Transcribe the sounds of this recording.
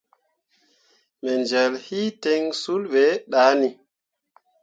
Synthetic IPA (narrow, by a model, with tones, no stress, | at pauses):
mɛ˨nd͡ʒɛ˨lhi˦tɛ˦ŋsu˦lɓe˨˦ɗa˨˦ni˨